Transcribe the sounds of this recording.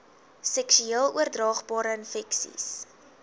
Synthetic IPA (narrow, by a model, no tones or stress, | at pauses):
sɛksyeːəlˠuərdrɑːχbɑːɾəənfɛksḭs